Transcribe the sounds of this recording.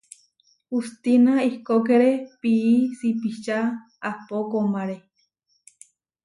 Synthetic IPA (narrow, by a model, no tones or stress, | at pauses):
ust̪inaikokeɾepiisipit͡ʃa | apokomaɾe